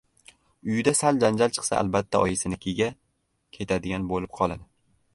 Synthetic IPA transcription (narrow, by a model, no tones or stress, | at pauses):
ʊjɪd̪asald͡ʒand͡ʒalt͡ʃʰɨ̥qsa̰ʔa̰lˠbat̪ʰːaɒjɪsɪnɪkʲʰeɡʲa | kʲʰe̞t̪ʰad̪ɪɡʲanbolɪp̚qʰɒlˠad̪ɪ